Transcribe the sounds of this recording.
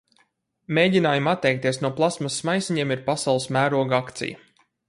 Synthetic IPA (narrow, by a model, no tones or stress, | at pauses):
meːɟʲinaːjumat̪ːɛjk̚t̪iɛsnuɔplˠasmɐsːmajsiɲiɛmiɾpasawlˠɨsmæːɾuɔɡakt̪sḭjɐ̰